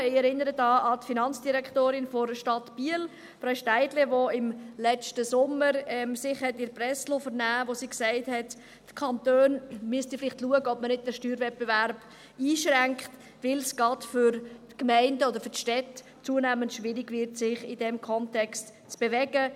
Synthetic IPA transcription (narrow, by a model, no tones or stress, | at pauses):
ɪɛɾɪnːəɾədɑːɑtfinɑnt͡sd̥iɾɛkχtoːɾɪnfɔɾʃtɑtb̥iəl | fɾaʊʃtæɪdleʋoɪmlɛt͡ʃtəsʊmːəɾɛmsɪχhɛtɪɾprɛslofəɾnæːʋosiːksɛɪthɛtː | kʰɑntøːnmyəstɪflɪχtluəɡəɔbmənɪt̚d̥ɛʃtyːɾvɛt̚b̥evæɾb̥ | iːʃɾæŋkχt | ʋɪlsɡ̥ɑtfʏɾtkmæɪndəɔd̪əɾfʏɾtʃtɛt | t͡suənæːməntʃʋɪɾɪɡvɪɾtsɪχɪdɛmkʰɔntɛkst | t͡sb̥evɛɡə